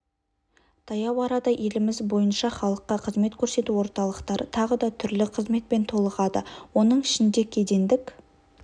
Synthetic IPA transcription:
t̪ʰɑjɑwɑɾɑd̪ɑʔe̞lɪmɪzbo̞jənʃɑχɑlˠəqːɑqʰəzme̞t̪kʲʰɵɾse̞t̪uwo̞ɾt̪ɑlˠəqt̪ɑɾət̪ʰɑʁəd̪ɑt̪ʰʏɾlɪqʰəzme̞t̪̚pe̞nt̪ʰo̞lˠəʁɑd̪ə̰wo̞nəɴɪʃɪnd̪e̞kʲʰe̞d̪e̞nd̪ɪk

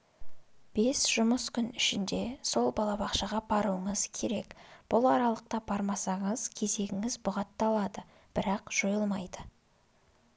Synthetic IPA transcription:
b̥e̞sʒ̥ʊməskʲʰʏnɪʃɪnd̪e̞so̞lˠbɑlˠɑbɑqʃɑʁɑbɑɾuəɴəzkʲʰe̞ɾe̞kb̥ʊlˠɑɾɑlˠəq̚t̪ɑbɑɾmɑsɑɴəz̥kʲʰe̞ze̞ɡʲɪŋɪzbʊʁɑt̪ːɑlˠɑd̪ə | b̥ɪɾɑqʒ̥o̞jəlˠmɑjd̪ə

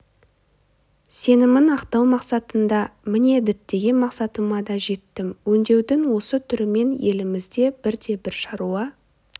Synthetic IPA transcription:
se̞nɪmɪnɑqt̪ɑwmɑqsɑt̪ənd̪ɑmɪne̞d̪ɪt̪ːe̞ɡʲe̞nmɑqsɑt̪əmɑd̪ɑʒe̞t̪ːɪmwɵnd̪e̞wd̪ɪŋwo̞sət̪ʰʏɾɪme̞nje̞lɪmɪzd̪e̞b̥ɪɾd̪e̞bɪɾʃɑɾuɑ

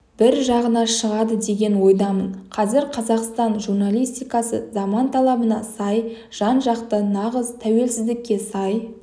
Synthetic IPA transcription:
b̥ɪɾʒɑʁənɑʃəʁɑd̪əd̪e̞ɡʲe̞nwo̞jd̪ɑmənqʰɑzɪɾqʰɑzɑqst̪ɑnʒurnalʲijst̪ijkɑsə̰zɑmɑnt̪ʰɑlˠɑbənɑsɑj | ʒ̥ɑnʒɑqt̪ənɑʁəzt̪ʰæwe̞lsɪzd̪ɪkʲːe̞sɑj

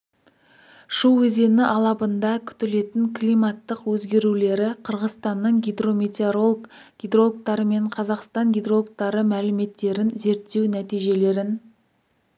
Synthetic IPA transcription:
ʃuwwɵze̞nɪʔɑlˠɑbənd̪ɑkʲʰʏ̥t̪ɪle̞t̪ɪŋkʰlʲijmɑt̪ːəqwɵzɡʲe̞ɾule̞ɾɪqʰəɾʁəzst̪ɑnːəɴɡʲid̪ro̞met̪ʲeɾo | ɡ̥ʲid̪ro̞lˠk̚t̪ɑɾəme̞ɴqʰɑzɑqst̪ɑŋɡʲid̪ro̞lˠk̚t̪ɑɾəmælɪme̞t̪ːe̞ɾɪnze̞ɾt̪ːe̞wnæt̪ijʒe̞le̞ɾɪn

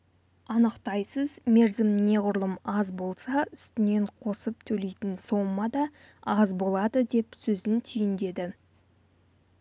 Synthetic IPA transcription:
ɑnəqt̪ɑjsəzme̞ɾzɪmne̞ʁʊɾlˠəmɑzbo̞lˠsɑʏst̪ɪne̞ɴqʰo̞səp̚t̪ʰɵle̞jt̪ɪnso̞mːɑd̪ɑ | ɑzbo̞lˠɑd̪əd̪e̞psɵzɪnt̪ʰʏjɪnd̪e̞d̪ɪ

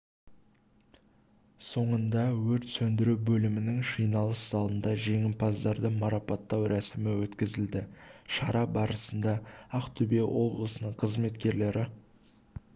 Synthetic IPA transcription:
so̞ɴənd̪ɑwɵɾt̪sɵnd̪ɪɾubɵlɪmɪnɪŋʃijnɑlˠəsz̥ɑlˠənd̪ɑʒe̞ŋɪmpʰɑzd̪ɑɾd̪əmɑɾɑpɑt̪ːɑwɾʔæsɪmɪwɵt̪kʲɪzɪld̪ɪʃɑɾɑbɑɾəsənd̪ɑɑqt̪ʰʏbewʔo̞blˠəsənəɴqʰəzme̞t̪kʲe̞ɾle̞ɾʔɪ

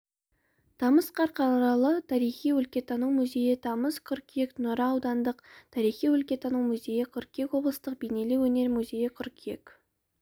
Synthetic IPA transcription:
t̪ʰɑməsqʰɑɾqɑnuɾɑlˠət̪ʰɑɾijχijwɵlkʲe̞t̪ʰɑnuwmʉze̞jɪt̪ʰɑməskʲʰʏɾkʲʰijeknʊɾɑːwd̪ɑnd̪əqt̪ʰɑɾijχijwɵlkʲe̞t̪ʰɑnuwmʊze̞jɪkʲʰʏɾkʲʰekwo̞blˠəst̪əq̚bejne̞lɪwɵne̞ɾmuzʲe̞jɪkʲʰʏɾkʲʰijḛk

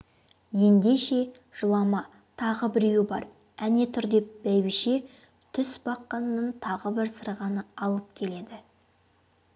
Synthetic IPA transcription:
je̞nd̪e̞ʃe̞ | ʒ̥əlˠɑmɑ | t̪ʰɑʁəbɪɾewɪbɑ̰ɾ | æne̞t̪ʰʏɾd̪e̞p̚b̥æjbɪʃe̞ | t̪ʰʏsbɑqːɑnənːəɴt̪ʰɑʁəbɪɾsəɾʁɑnəɑlˠəp̚kʲʰe̞le̞d̪ɪ

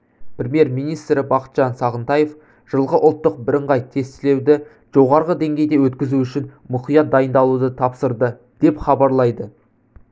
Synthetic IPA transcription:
prʲemije̞ɾmijnijst̪ɾɪbɑqə̥t̪ʒ̥ɑnsɑʁənt̪ɑje̞f | ʒ̥əlˠʁəʔʊlˠt̪ːəq̚bɪɾəɴʁɑjt̪ʰe̞st̪ɪle̞wd̪ɪ | ʒ̥o̞ʁɑɾʁəd̪e̞ŋɡʲe̞jd̪e̞wɵt̪kʲɪzuʏʃɪnmʊqijɑt̪̚d̪ɑjənd̪ɑlˠud̪ət̪ʰɑpsəɾd̪ə | d̪̥e̞pχɑbɑɾlˠɑjd̪ə

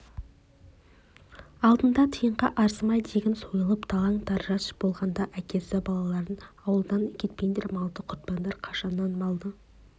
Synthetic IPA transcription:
ɑlˠd̪ənd̪ɑt̪ʰəjəɴʁɑʔɑɾsmɑjd̪e̞ɡʲɪnsojəlˠəpt̪ʰɑlˠɑŋt̪ʰɑɾʒɑʃb̥o̞lˠʁɑnd̪ɑʔækʲe̞sɪbɑlˠɑlˠɑɾd̪ənɑwəlˠd̪ɑnkʲʰe̞t̪̚pe̞nd̪eɾmɑlˠt̪əqʰʊɾt̪̚pɑnd̪ɑɾqʰɑʃɑnːɑnmɑlˠd̪ə

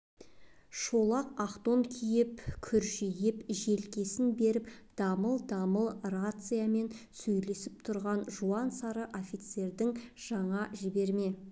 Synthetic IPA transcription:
ʃo̞lˠɑqɑqt̪o̞ŋkʲʰijɪpkʲʰʏɾʒijɪpʒe̞lkʲe̞sɪnbe̞ɾɪpd̪̥ɑməlˠd̪ɑməlˠrat̪sɨjame̞nsɵjle̞sɪp̚t̪ʰʊɾʁɑnʒuɑnsɑɾəʔofʲit̪se̞ɾd̪ɪŋʒ̥ɑɴɑʒɪbe̞ɾme̞

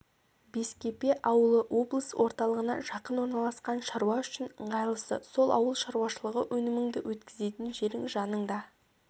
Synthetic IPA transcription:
beskʲe̞pe̞ʔɑwəlˠəʔo̞blˠəswo̞ɾt̪ɑlˠəʁənɑ̰ʒ̥ɑqənwo̞ɾnɑlˠɑsqɑnʃɑɾuwɑʏʃɪnəɴʁɑjlˠəsə̰so̞lˠʔɑ̰wəlˠʃɑɾuwɑʃəlˠəʁəwʔɵnɪmɪŋd̪ɪwɵt̪kʲɪze̞t̪ɪnʒe̞ɾɪŋʒɑnəɴd̪ɑ

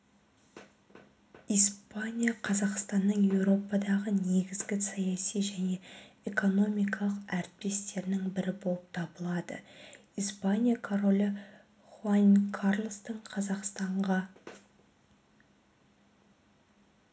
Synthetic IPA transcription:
ijspanʲijaqʰɑzɑqst̪ɑnːəɴje̞wɾo̞pɑd̪ɑʁəne̞ɡʲɪzɡʲɪsɑjɑsijʒæne̞eko̞no̞mijkɑlˠəqæɾɪt̪̚pe̞st̪e̞ɾnɪŋbɪɾɪbo̞lˠəp̚t̪ʰɑbəlˠɑd̪ə̰ | ijspanʲijakʰoɾo̞lʲɪ | χuankʰarlˠst̪əɴqʰɑzɑqst̪ɑɴʁɑ

